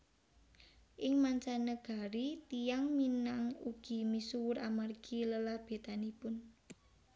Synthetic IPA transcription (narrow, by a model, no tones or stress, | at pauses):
ʔɪŋmaɲt͡ʃanəɡ̥a̤ɾit̪ijaŋminaŋuɡ̥i̤misuwʊɾamarɡ̥iləlahb̥e̤t̪anipʊn